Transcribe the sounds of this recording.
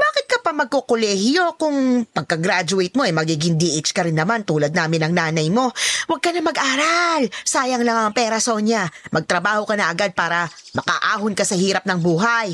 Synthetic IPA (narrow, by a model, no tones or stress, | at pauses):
baːkɪt̪̚kɐpɐmɐɡ̚kokolɛːhɪjo̞kʊŋpɐɡ̚kɐɡɾad͡ʒʊɛjt̪̚mo̞ʔɐjmɐɡiːɡɪŋd̪iːʔɪt͡ʃkɐɾɪnːɐmant̪uːlɐd̪̚naːmɪnɐŋnaːnɐjmo̞wɐɡ̚kɐnɐmɐɡʔaːɾalsaːjɐŋlɐŋɐŋpɛːɾɐso̞ɲɐmʔɐɡ̚t̪ɾɐbaːho̞kɐnɐʔɐɡad̪̚paːɾɐmɐka̰ʔaːɦʊnkɐsɐhiːɾɐp̚nɐŋbuːɦaj